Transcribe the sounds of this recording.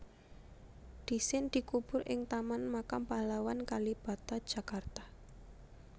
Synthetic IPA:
d̪̥i̤sɪnd̪̥i̤kub̥ʊɾʔɪ̰ŋt̪amanmakampalawankalib̥a̤t̪ad̥ʒ̥a̤kart̪ḁ

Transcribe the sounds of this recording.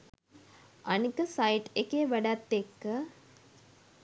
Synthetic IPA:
ʔanikəsajʈekeʋæɖat̪ːekːə

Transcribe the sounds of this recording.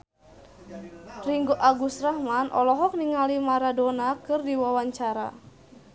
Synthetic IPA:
riŋɡoʔaɡust̪rahmanʔɔ̰lɔɦɔk̚niŋalimaɾadonakɨrdiwawaɲt͡ʃaɾa̰

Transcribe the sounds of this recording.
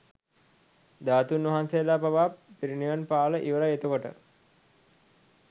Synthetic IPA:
d̪aːt̪unʋɐɦansejəlaːbaʋaːpiɾiniʋanpaːləʔiʋəɾaet̪ukoʈə̰

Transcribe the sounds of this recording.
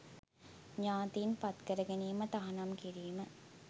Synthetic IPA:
ɲaːt̪iːnpɐt̪kəɾəɡeniːmət̪aɐɦɐnɐmkiɾiːmə

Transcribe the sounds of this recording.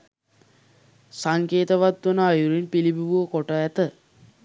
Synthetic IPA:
saŋkeːt̪əʋat̪ːunəajuɾinpilibiʋuəkoʈəæt̪ə

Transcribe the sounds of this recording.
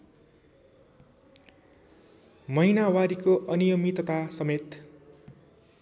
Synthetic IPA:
mʌɦinawaɾikoʔʌnijʌmit̪ʌt̪asʌmet̪

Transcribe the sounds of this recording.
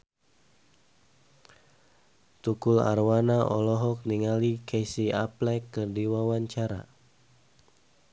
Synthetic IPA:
t̪ukula̰rwanaʔɔ̰lɔɦɔk̚niŋalikesiaplɛkːərdiwawaɲt͡ʃaɾa̰

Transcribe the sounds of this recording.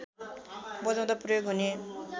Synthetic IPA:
bʌd͡zãw̃t̪aprʌjoɡɦune

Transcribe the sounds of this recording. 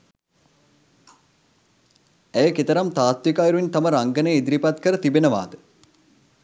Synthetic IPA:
æjəkit̪əɾɐmt̪aːt̪ʋikaːjiɾuʋint̪aməɾaŋɡənejid̪ɾipat̪kəɾət̪ibenəʋa̰ːd̪ə

